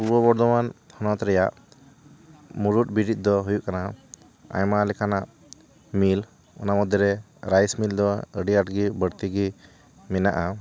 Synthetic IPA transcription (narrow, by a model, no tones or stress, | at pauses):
ubɔbɔɽd̪ɔmanhɔnɔt̪ɾɛjaʔ | muɾut̚biɖit̪̚ˀd̪ɔɦujuʔkana | a̰jmalɛkʰanaʔ | mil | ɔ̰namɔd̪ʱiɾɛ | ɾajsmild̪ɔəɖiaʈɡibəɽt̪iɡi | mɛna̰ʔa